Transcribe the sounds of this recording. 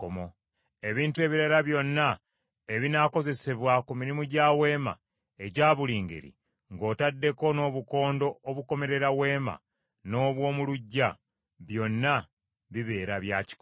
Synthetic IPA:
omo | e̞βiːntue̞βiɾaɾaβjo̞nːa | e̞βinako̞ze̞se̞βwakumiɾimuɟaːwe̞ːma̰ | e̞ɟaːβuliːŋɡḛɾḭ | ŋɡo̞ːtadːe̞ko̞no̞ːβuko̞ːndo̞ːβuko̞me̞ɾe̞ɾawe̞ːma̰ | no̞ːβwo̞ːmuluɟːa | βjo̞nːa | βiβe̞ːɾaβjaːci̥k

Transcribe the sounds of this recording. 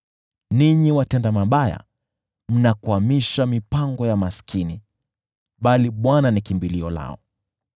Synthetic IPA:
niɲiwatɛndamaɓaja̰ | m̩nakuamiʃamipaŋɡɔjamasi̥kʰini | ɓaliɓwananikimbiliɔla̰ɔ̰

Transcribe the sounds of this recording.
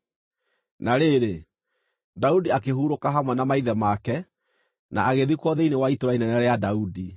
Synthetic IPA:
naɾeɾe | daudiakeɦuːɾokaɦamwɛnamaiðɛmakɛ | na̰ːɣeðikwɔðeinewaitoɾainɛnɛɾɛjadaudi

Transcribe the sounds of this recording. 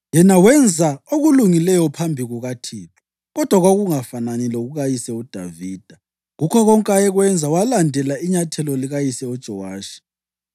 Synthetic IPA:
jɛnawɛnd͡zʱaoɣuluŋilɛjɔpʰambʱiɣuɣatʰiːtʰɔ̥ | ɣɔd̥ʱwaɣoɣuŋafananilɔuɣuɣajisɛud̥ʱa̰viːd̥ʱa | ɣukʰɔɣɔŋkʼaɛɣwɛnd͡zʱawalandʱɛlaiɲatʰɛlɔliɣajisɛud̥ʒ̥ʱɔwaːʃi̥

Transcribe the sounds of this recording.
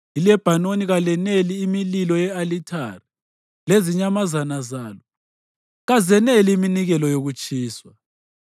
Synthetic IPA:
ilɛb̥ʱanoniɣalɛneliːmililɔjɛalitʰari | leziɲamazanazaːlɔ | ɣazɛneliːminiɣɛlɔjoɣut͡ʃʼiːswa

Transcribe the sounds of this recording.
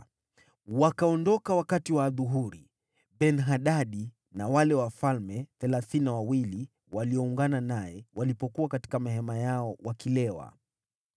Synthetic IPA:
wakaɔndɔkawakatiwaːðuɦuɾi | ɓɛnɦaɗaɗi | nawalɛwafalmɛθɛlaθiniawawili | waliɔuŋɡananajɛwalipɔkuwakati̥kamaɦɛmajaɔwakilɛwa̰

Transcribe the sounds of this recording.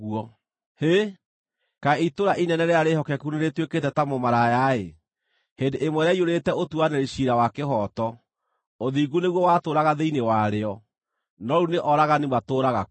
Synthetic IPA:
wɔ | he | kaitoɾaʔinɛnɛɾeaɾehɔkɛkuneɾetweketɛtamomaɾajae | hendeʔemwɛɾeaioɾetɛotuanɛɾeɕiɾawakehɔtɔ | oðiːɡuneɣwɔwaːtoɾaɣaðeinewaɾeɔ | nɔɾuneʔɔɾaɣanemwatoːɾaɣa

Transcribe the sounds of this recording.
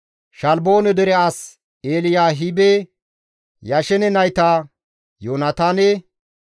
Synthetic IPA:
ʃɐlbo̞ːnɛd̪ɛɾɛas | eːlɪjaːɦibe | jɐʃɛnɛnɐjt̪aː | joːnɐt̪aːnɛ

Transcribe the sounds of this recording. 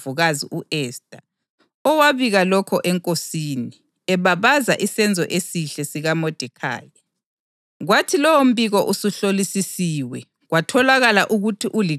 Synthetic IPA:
uɣaziʔuʔɛstʼa | ɔwaβiɣalɔkʰɔʔɛŋkʼosini | ɛβaβaza̰ʔisɛnd͡zʱɔ̰ʔesiɬɛsiɣamɔd̥ʱɛkʰa̰ːja | ɣwatʰilɔwom̩biɣɔʔusuɬolisisiːwɛ | ɣwatʰɔlaɣalaʔuɣutʰiʔuli

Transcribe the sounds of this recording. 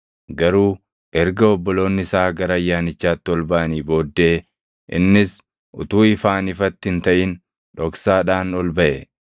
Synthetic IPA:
ɡɐɾuː | ʔɛɾɡɐɔbːɔlo̞ːnːɪsaːɡɐɾɐɐjːaːnɪt͡ʃːaːt̪ːɪɔlbɐʔɐniːbo̞ːd̪ːe̞ː | ʔɪ̰nːɪs | ʔʊ̰t̪uːɪfaːnɪfɐt̪ːɪhɪnt̪ɐʔɪn | ᶑɔksaːᶑaːnɔlbɐʔɛ

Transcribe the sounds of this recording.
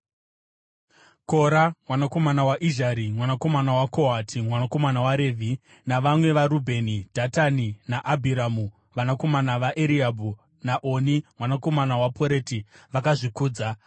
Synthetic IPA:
ko̞ɾamwanako̞manawaʔiʒaɾimwanako̞manawako̞ɦatʰimwanako̞manawaɾe̞ːvʱi | naʋamwe̞ʋaɾubʱe̞nid̥ʱataninaʔabʱiɾamu | ʋanako̞manaʋaʔeɾiabʱu | naʔonimwanako̞manawapʰoɾe̞ːtiʋakaʐikuːd͡za

